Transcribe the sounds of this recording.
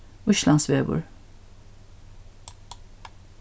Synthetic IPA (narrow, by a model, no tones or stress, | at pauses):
ʊʃlɑnsʋeːbʊ̰ɹ